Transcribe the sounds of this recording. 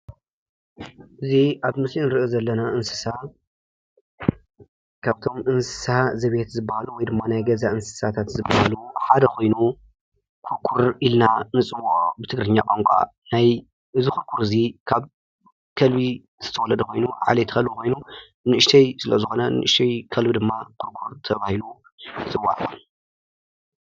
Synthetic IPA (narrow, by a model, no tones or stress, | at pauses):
ʔɨziʔaβmɨsinɨɾɨʔozɐlːɐnaʔɨnsɨ̥sa | kʰaβt̪ʰo̞mɨnsɨ̥sazɐβet̪zɨbːahaluwɔjd̪ɨmːanajɡɐzaʔɨnsɨ̥sat̪ʰat̪zɨbahaluħad̪ɐkʰo̞jnu | kʰuɾkʰuɾilnanɨt͡sʼɨwoʔbɨt̪ʰɨɡɾɨɲːakʼoŋkʷʼa̰ | naj | ʔɨzikʊɾkʰuɾɨzikʰaβ | kʰɐlbi | zɨt̪ʰɐwɔlɐd̪ɐkʰʷo̞jnuʕa̰let̪ʰɨxɐlbuko̞jnu | nɨʔɨʃt̪ʰɐjsɨlɐzɨxo̞nɐnɨ̰ʔɨʃt̪ʰɐjkʰɐlbid̪ɨmːakʰuɾkʰuɾt̪ʰɐβahilu | nɨt͡sʼɨwːa̰ʕ